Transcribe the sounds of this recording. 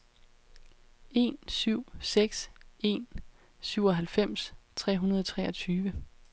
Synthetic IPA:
e̝̰nsyʊ̰seɡ̥se̝̰n | syʊɒ̽ɦælfem̰st͡sʰʁɛ̰ːɦunɐð̞ˠɒ̽t͡sʰʁɛːɒ̽t͡sʰyːʋə

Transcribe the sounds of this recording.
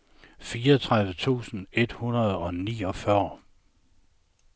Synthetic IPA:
fiːɐt͡sʰʁaðˠʋət͡sʰṵːsn̩e̝d̥hunɐð̞̩ˠɒ̽nḭːɒ̽fɶɐ

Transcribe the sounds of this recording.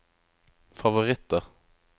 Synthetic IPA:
fɑʋʊʁɪt̪ːəʁ

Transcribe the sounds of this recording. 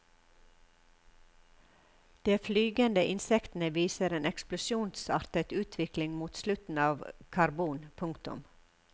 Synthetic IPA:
d̪̥eːflyːɡənd̪əʔɪnsɛkt̪n̩əʋiːsəɾeːnɛksplʊʃjuːnsɑɾt̪ət̪ʉːt̪ʰʋɪklɪŋmuːt̪slʉt̪n̩ɑːʋkʰɑɾbuːnpʰʊŋkt̪ʊ̰m

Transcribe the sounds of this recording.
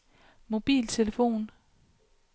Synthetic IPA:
mo̝b̥ḭːlt͡sʰe̝ləfo̝̰ːn

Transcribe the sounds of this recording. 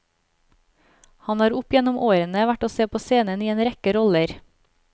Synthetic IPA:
hɑnɑːɾʊpjɛnʊmʔoːɾənəʋæʈoːseːpʰoːseːnəniːeːnɾɛkəɾɔləɾ

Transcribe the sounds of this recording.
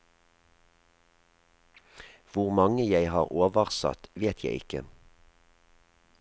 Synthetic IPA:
ʋʊʁmɑŋəjæɪhɑːʁoːʋəʁsɑ̰t̪ʋeːt̪ʰjæɪɪkə̰

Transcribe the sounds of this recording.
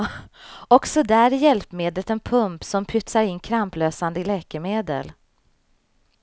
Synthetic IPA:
ɔksɔd̪ɛæɾɪjɛlpmeːd̪lət̪ɛnpʰɵmpsɔmpʰʏt̪saɾɪnːkʰɾampløːsand̪əɪlɛːkəmeːd̪ə̰l

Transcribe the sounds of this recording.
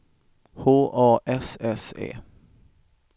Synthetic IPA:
hoːʔɑːʔɛsɛsḛː

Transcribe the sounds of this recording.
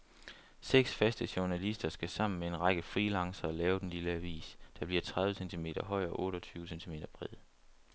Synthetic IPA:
seɡ̥sfæsd̥əɕuɐnælisd̥ɐsɡ̥æsɑ̈m̰n̩mee̝nʁɑɡ̥əfʁiːlɑ̈ŋsɐːlɛːʊd̥enliləæʋḭːsd̥æb̥liɐt͡sʰʁɑð̞ˠʋəsent͡sʰime̝̰ːɾ̥ɐɦɒ̽ɪ̰ɐɒ̽ʔɔ̽ːɾ̥ɒ̽t͡sʰyːʊəsent͡sʰime̝̰ːd̥ɐb̥ʁiðˠ

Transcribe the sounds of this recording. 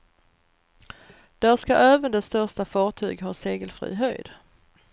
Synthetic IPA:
d̪̥æʂkaʔæːvənd̪ɛst̪œʂʈafɑːʈʰyːɡɦɑːseːɡəlfɾḭːɦœjd̪̥

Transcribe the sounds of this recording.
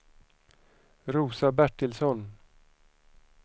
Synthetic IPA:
ɾuːsabæʈːɪlsɔn

